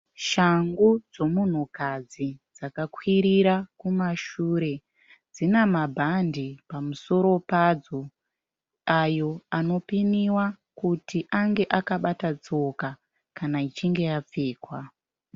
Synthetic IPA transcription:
ʃaŋɡud͡zo̞mun̤ukad͡zid͡zakakwiɾiɾakumaʃuːɾe̞ | d͡zinamabʱandipamuso̞ɾo̞pad͡zo̞ | ajo̞ano̞piniwa | kutiʔaŋɡe̞ʔakaɓatad͡zo̞ka | kanait͡ʃiŋɡe̞jap͡feːkwa

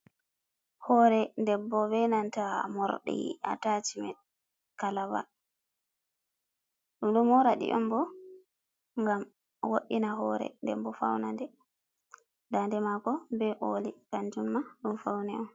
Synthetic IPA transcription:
hɔːɾɛndɛbːɔbɛnantamɔɾɗḭa̰tat͡ʃimɛ̰ | kalawa̰ | uɗumɔɾaɗḭʔɔmbɔ | ŋɡam | woɗinaɦɔːɾɛ̰ndɛ̰bbɔfa̰wnandɛ | dandɛmakɔbɛʔoːlikaɲd͡ʒumːaɗumfawnɛɔm

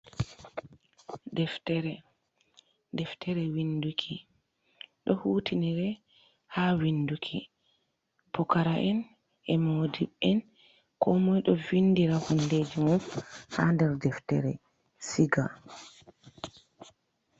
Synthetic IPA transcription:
dɛftɛɾɛ | dɛftʰɛɾɛwindukʰi | ɗɔhuːtiniɾɛ | hawindukʰi | pɔkaɾaʔɛn | ʔɛmodiɓɛn | kɔmɔjɗɔvinːdiɾahunded͡ʒimufhandɛɾdɛftɛ̰ɾɛ̰ | siɡa̰

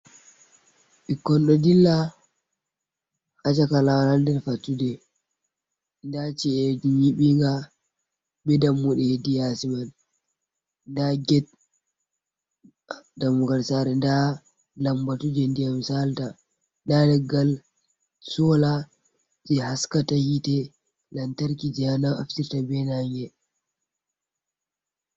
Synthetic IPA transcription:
ɓikːɔnɗɔdilːa | hat͡ʃakalawanandɛnfatːudɛ | ndat͡ʃiɛd͡ʒiɲiɓiŋɡa | bɛdamːuɗɛhedijasiman | ndaɡɛt̚ | damuɡalsaɾɛnda | lambatud͡ʒɛndijamsalta | ndalɛɡːal | sɔla | d͡ʒɛhaskatahitɛ | lantaɾkid͡ʒɛhanaaftiɾtabɛnaŋɡɛ

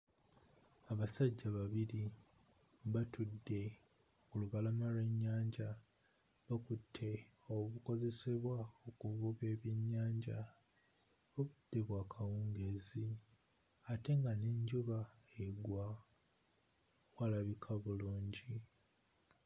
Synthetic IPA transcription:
aβasaɟːaβaβiɾi | βatudːe̞ | kuluβalamalwe̞ɲːaːɲɟa | βakutʰːe̞ | oβuko̞ze̞se̞βwaokuvuβe̞ːβjiɲːaːɲɟa | oβud̥ːe̞βwaːkʰawuːŋɡe̞zi | ate̞ŋɡaneɲɟuβaeɡwa | walaβikʰaβuluːɲɟi

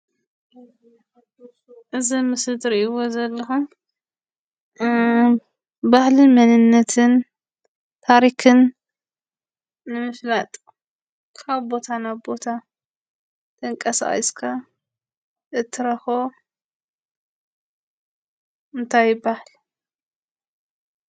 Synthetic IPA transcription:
ʔɨzimɨsɨd̪ɨɾʔɨwo̞zɐlːɐxum | bahlɨnmɐnɨnːɐt̪ʰɨn | t̪ʰaɾikɨn | ɨmɨflat̪ʼ | kʰaβbo̞t̪ʰanaβbo̞t̪ʰa | t̪ʼɐŋkʼɐsa̰ʔḭskʰa | ɨt̪ʰːɨɾɐxo | ɨnt̪ʰajbahl

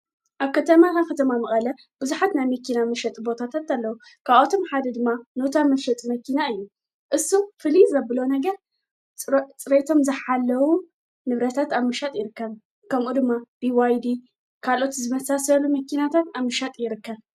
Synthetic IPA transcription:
ʔaβkɐt̪ʰɐmak̪ʰakʰɐt̪ʰɐmamɨχʼɐlɐ | b̥ɨzuħat̪najmɐkinamɨʃɐt̪ʼbo̞t̪ʰat̪ʰat̪alːɐwu | kʰaβot̪ʰo̞mħad̪ɐd̪ɨmːanot̪ʰamɨʃɐt̪ʼmɐkinaɨjːu | ʔɨsːufɨlizɨɐbɨlonɐɡɐɾ | t͡sʼɨɾet̪ʰo̞mzɨħalːɐwu | nɨβɾɐt̪ʰat̪aβmɨʃat̪ʼjɪɾɨkːɐβ | kʰɐmʔud̪ɨmːab̥iwajd̪i | kʰalʔo̞t̪zɨmɐsasɐlumɐkːinat̪ʰat̪aβmɨʃat̪ʼjɪɾɨkːɐβ

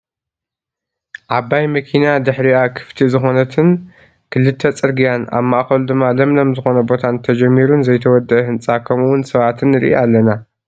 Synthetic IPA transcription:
ʕaβajmɐkʰinad̪ɨħɾiakʰɨ̥ft̪ʰizɨxo̞nɐt̪ʰɨn | kʰɨlːɨt̪ʰːɐt͡sʼɨɾɡijana̰βmaʔxɐlud̪ɨmːalɐmlomzɨxo̞nɐbo̞t̪ʰant̪ʰɐd͡ʒɐmːiɾunzɐjt̪ʰɐwɔd̪ːɐʔɐhɨnt͡sʼakʰɐmuwʊnsɐβat̪ʰɨnɨɾḭʔealːɐna

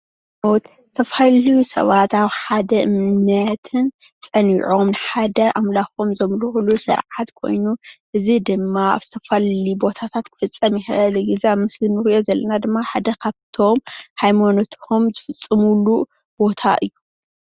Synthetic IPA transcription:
mowt̪ | t̪ʰɐfallijusɐ̰βat̪aβħad̪ɐʔɨmnɐt̪ʰɨn | t͡sʼɐniʕomnħad̪ɐʔamlaxomzɐmluxlusɨ̰ɾʕat̪kʰo̞̰jnuʔɨzid̪ɨmːaa̰βzɨt̪ʰɐfallibo̞t̪ʰat̪ʰat̪kʰɨ̥fɨt͡sʼːɐmjɪxɐɐlɡizeaβmɨslinːɨxijo̞zɐlːɐnad̪ɨmːaħad̪ɐkʰaβt̪ʰo̞mhajmanot̪ʰhomzɨfɨt͡sʼːɨmulu | b̥o̞t̪ʰa̰ʔɨjːu

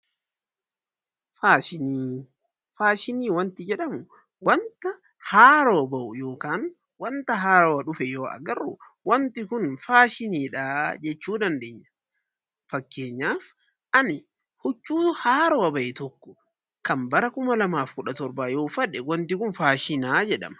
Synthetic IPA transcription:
faːʃɪniː | faːʃɪniːwɐnt̪ɪd͡ʒɛᶑɐmʊ | wɐnt̪ɐ | haːɾoːbɐʔʊjo̞ːkaːn | wɐnt̪ɐɦaːɾoːɐᶑʊfɛjoːɐ̰ɡɐrːʊ̰ː | wɐnt̪ɪkʊnfaːʃɪniːᶑaːd͡ʒɛt͡ʃːuːd̪ɐnd̪eːɲːɐ̥ | fɐkːe̞ːɲːaːf | ʔɐnɪ | hʊt͡ʃːuːhaːɾoːɐbɐʔɛt̪ɔkːɔ̥ | kɐmbɐɾɐkʊmɐlɐmaːfkʊᶑɐt̪ɔɾbaːjoːfɐᶑɛwɐnt̪ɪkʊnfaːʃɪnaːd͡ʒɛᶑɐ̰mɐ̥

